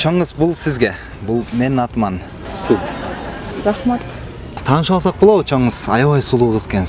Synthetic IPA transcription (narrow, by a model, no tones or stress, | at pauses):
t͡ʃʰoɴəzbulˠsizɡʲe̞ | bulˠme̞nɑt̪mɑn | su | ɾɑχmat̪ | t̪ʰɑːnɯʃɑlˠsɑq̚bolˠɑwɯt͡ʃʰoɴɯz̥ɑjɑβɑjsulˠuːʁəzkʲen